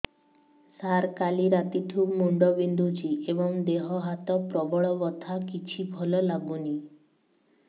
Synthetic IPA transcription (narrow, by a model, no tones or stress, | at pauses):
saɾkaliɾat̪iʈʰubmuɳɖɔbind̪ʱut͡ʃiebɔŋd̪eɦɔɦat̪ɔpɾɔbɔɭɔbɔt̪ʰakit͡ʃʰibʱɔlɔlaɡuni